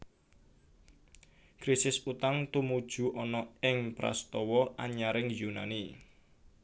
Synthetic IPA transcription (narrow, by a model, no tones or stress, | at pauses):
kɾisɪsut̪aŋt̪umud̥ʒ̥ṳʔɔnɔɪŋpɾa̰st̪ɔwɔʔaɲaɾɪŋjunani